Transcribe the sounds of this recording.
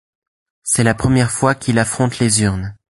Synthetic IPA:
sɛlapχəmjɛʁfwakʲilafχɔ̃t̪lezyʁn

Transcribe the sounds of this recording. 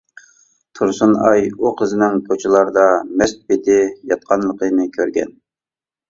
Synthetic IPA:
t̪ʰuɾsunɑjuqʰəzɪnɪŋpʰot͡ʃʰilˠɑɾd̪ɑmɛst̪̚pet̪ʰɪjɑt̪̚qʰɑnlˠəqʰənɨkʲʰøɾɡʲɛ̰n

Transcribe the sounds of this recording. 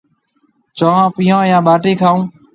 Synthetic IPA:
t͡ʃoːɦãːpɪjãːjãːɓaːʈiːkʰaːũː

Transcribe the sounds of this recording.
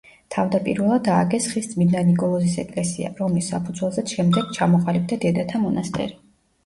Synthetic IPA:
t̪ʰavd̪apʼḭɾvɛlˠad̪aːɡʼɛsχisd̪zʼmid̪nanikʼɔlˠɔzisɛkʼlɛsia̰ɾɔmlisːapʰud̪zwɛlˠzɛʃɛmd̪ɛɡ̥t͡ʃʰamɔqʼalib̚d̪ad̪ɛd̪at̪ʰamɔnast̪ʼɛ̰ɾi

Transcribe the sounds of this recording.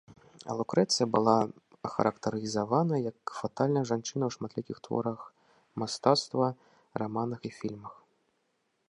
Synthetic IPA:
ɐ̰lˠukɾɛt̪sɨjɐbɨlˠa | ɐxɐ̰ɾɐkt̪ɐɾɨizavanɐjɐkfat̪alʲnɐjɐʐant͡ʂɨnɐwʂmat̪lʲikʲixt̪vɔ̰ɾɐx | mast̪at̪st̪vɐ | rʔamanɐxifʲilʲmɐx

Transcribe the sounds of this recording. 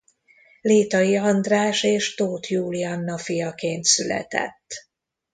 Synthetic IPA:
leːt̪ɒjiɒnd̪raːʃeːʃt̪oːt̪juːlijɒnːɒfijɒkeːnt̪sylɛ̰t̪ɛ̰t̪ː

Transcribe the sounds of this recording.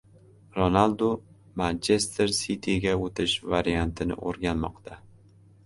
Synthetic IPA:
ɾonalˠd̪o | mant͡ʃʰe̞st̪ʰeɾsit̪ʰiɡʲaot̪ʰɪʃvaɾijant̪ʰɪnɪ̰ʔo̰ɾɡʲanmɒ̰qt̪ʰa

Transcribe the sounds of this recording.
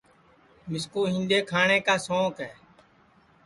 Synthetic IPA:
mɪskuːɦɪ̃nd̪eːkʰaːɳẽːkaːsõːkɦɛː

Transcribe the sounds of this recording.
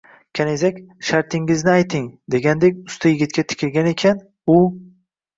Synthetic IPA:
kʲʰanezakʲʃaɾt̪ʰɪŋɪznɪajt̪ʰɪŋd̪e̞ɡʲand̪ekʲʊst̪ʰajɪɡʲɪt̪̚kʲat̪ʰɪ̥kʲʰɪlɡʲane̞kʲʰan | ʊ

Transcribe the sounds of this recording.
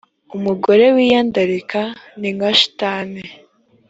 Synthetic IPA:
umuɡo̞ɾe̞wijaːndaɾikaniŋɡaʃi̥taːne

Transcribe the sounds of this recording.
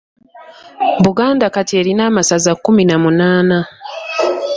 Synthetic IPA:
βuɡaːndakatie̞ːɾinaːmasazakːuminamunaːna

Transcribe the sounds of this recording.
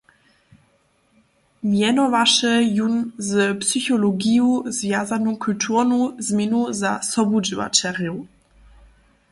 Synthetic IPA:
mjɛnɔvaʃəjunzpsyçɔlɔɡijuzvjazanokʰultʰuʁnuzmʲɛnuzasɔbud͡ʑiva̰t͡ʃɛʁju

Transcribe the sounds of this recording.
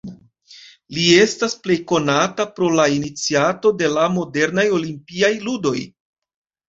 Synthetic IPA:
lie̞stasple̞jko̞natapɾo̞lainit͡siato̞de̞lamo̞de̞ɾnajo̞limpiajludo̞j

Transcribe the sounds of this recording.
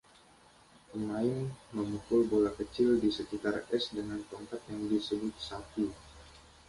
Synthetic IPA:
maɪmːəmukʊlbolakət͡ʃɪldisəkit̪arɛsdəŋant̪ɔŋkat̪̚jaŋdisəbʊt̪̚sapi

